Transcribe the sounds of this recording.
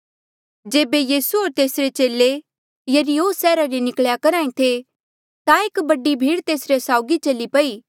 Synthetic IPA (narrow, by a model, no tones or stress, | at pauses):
d͡ʒeːbejiːsuoːɾt̪eːsɾet͡ʃeːle | jɐɾioːsɛːɾaɾinɪkɭjakɐɾaːĩt̪ʰe | t̪ãeːkbɐɖibʱiːɽt̪eːsɾesaːʊɡit͡ʃɐlipɐiː